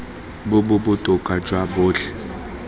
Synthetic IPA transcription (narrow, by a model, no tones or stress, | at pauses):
bʊbʊbʊtʼʊkʼad͡ʒʼwabʊːɬɛ̥